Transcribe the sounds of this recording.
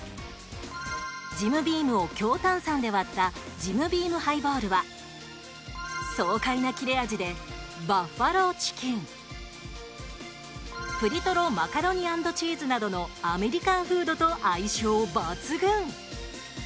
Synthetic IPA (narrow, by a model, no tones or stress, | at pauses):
d͡ʑimɯ̟bʲiːmɯ̟o̞kʲo̞ːt̪ãɰ̃sãnd̪e̞βat̪ːa | d͡ʑimɯ̟bʲiːmɯ̟haiboːɾɯ̟βa | so̞ːkainakʲiɾe̞ad͡ʑid̪e̞baɸaɾo̞t͡ɕi̥kʲĩɴ | ɸɯ̟ɾʲit̪o̞ɾo̞makaɾo̞ɲ̟iãnd̪o̞t͡ɕiːzɨnad̪o̞no̞ame̞ɾʲikãɰ̃ɸɯ̟ːd̪o̞t̪o̞ʔaiɕoːbat͡sɨɡɯ̟̃ŋ